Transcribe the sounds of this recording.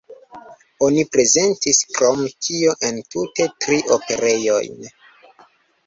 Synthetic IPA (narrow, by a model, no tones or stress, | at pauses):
o̞nipɾe̞ze̞ntiskɾomtʰio̞ʔe̞ntute̞tɾiʔope̞ɾe̞jo̞̰jn